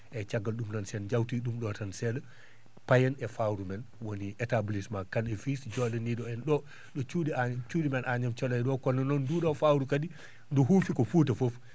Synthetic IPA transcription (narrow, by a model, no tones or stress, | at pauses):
ʔɛt͡ʃaɡalɗumnansɛɗd͡ʒawtiɗumɗɔtansɛɗɛ | pajɛnɛfawɾumɛnwoniʔɛtablismakanɛfisd͡ʒɔɗɛniɗɔɛnɗɔ | ɗɔt͡ʃuɗiat͡ʃuːɗimɛnʔaɲamt͡ʃɔlajɗɔkɔnːanɔnduɗɔfawɾukadi | nduɦufikɔfutafof